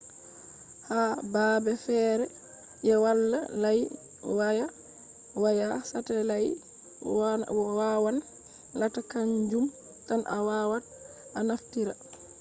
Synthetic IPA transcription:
habaːbɛfɛːɾɛ | ʔɛwalːalaj | waja | wajasatalaj | wawan | latakaɲd͡ʒum | tanʔawawat̚ | ʔanaftiɾa

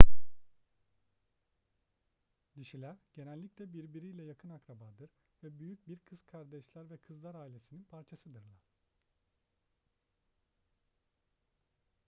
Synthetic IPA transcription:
d̪iʃilʲæɾɟ̥enælʲːicʲlʲɛbiɾbiɾijlʲɛjakʰɯnakɾabaːd̪ɯɾ | vɛbyjyc̚biɾkʰɯz̥kʰaɾd̪ɛʃlʲˠæɾvɛkʰɯzlˠaɾaːilʲe̞sininpʰaɾt͡ʃʰasɯd̪ɯɾlˠa

